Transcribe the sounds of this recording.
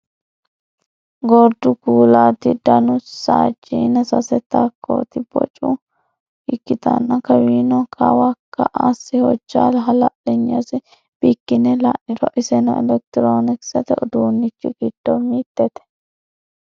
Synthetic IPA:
ɡɔɾd̪ʊɡuːlaːt̪ɪd̪ɐnʊsa̰ːd͡ʒiːnɐsɐsɛt̪ːakːo̰ːt̪ɪbɔ̰t͡ʃʼʊ | ɪkːɪt̪ɐ̰nːɐkɐwiːnɔkʰɐ̰wakːɐʔasːɪhɔd͡ʒːa̰ːlɦɐlɐʔɛɲːɐsɪ | b̥ikːɪnɛlaʔɪɾɔ̰ʔɪsɛnɔɛlɛk̚t̪ɪɾoːnɪksɐt̪ɛɔd̪uːnːɪt͡ʃːɪɡɪd̪̥ːɔmiːt̪ːɛt̪ɛ̥

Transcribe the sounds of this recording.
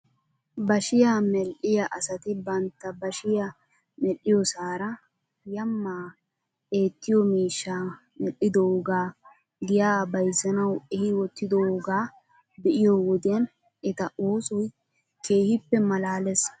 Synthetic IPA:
bɐʃɪjaːmɛlʔɪjɐʔɐsɐt̪ɪbɐnt̪ːɐbɐʃɪja | mɛlːɪjɔsaːɾɐ | jɐmːaː | ʔe̞ːt̪ːɪjɔmiːʃːa | mɛlːɪd̪ɔoɡaː | ɡɪjaːbɐjzɐnɐwɛhɪwɔt̪ːɪd̪ɔoɡaː | bɛʔɪjɔwɔd̪ɪjɐn | ɛt̪ɐʔoːsɔj | keːhɪpːɛmɐlaːlɛs

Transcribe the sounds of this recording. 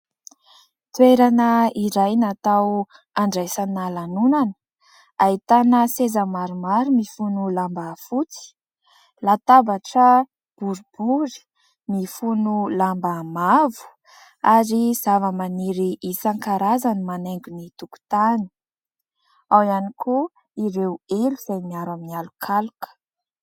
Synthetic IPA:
t̪weɾanəiɾajnat̪aw | aɳɖ͡ʐajsanalanunanə̥ | ait̪anəsezəmaɾumaɾimifunulambafut͡si̥ | lat̪abaʈ͡ʂə | b̥uɾub̥uɾi̥ | mifunulambamavu̥ | aɾiz̥avəmaniɾiisaŋkaɾazanimaneŋɡunit̪uku̥t̪ani̥ | awanikʰu | iɾeweluz̥ajmiaɾaminialukʰalukə̥

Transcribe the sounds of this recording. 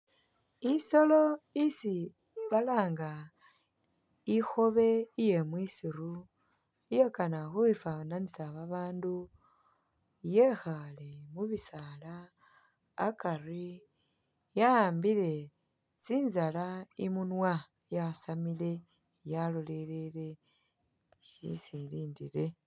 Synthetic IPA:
iso̞lo̞isi | βalaːŋɡa | ixo̞βe̞ije̞mwisiɾu | ijekanaxuifananisaβaβaːndu | jexalemuβisalaː | kari | jaaːmbile̞ | t͡siːnzalaimunwa | jasamile̞ | jalo̞le̞le̞le̞ | ʃḭsiliːndile̞

